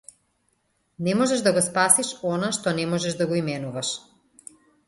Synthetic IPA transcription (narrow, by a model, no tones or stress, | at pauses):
nɛmɔʒɛʒd̪aɡɔspasiʃɔnaʃt̪ɔnɛmɔʒɛʒd̪aɡɔimɛnuvaʃ